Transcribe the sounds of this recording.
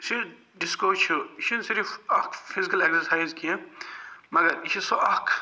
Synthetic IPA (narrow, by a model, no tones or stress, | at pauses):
si | ɖiskoːt͡ʃʰuʃunsiɾifɐkfʰizikɐleksɐɾsaːjzkiẽ | mɐɡɐɾʃisoʔɐkʰ